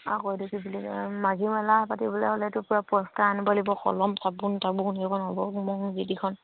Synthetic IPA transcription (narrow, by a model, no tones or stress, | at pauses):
a̰kɔjdukibilimazimalahpatibɔlɛɦɔlɛtʊpʊɹapɔstaanibalibɔxɔ̰lɔmtʰabuntʰabuunɔkʰɔnɦɔbɔmɔŋzidikʰɔn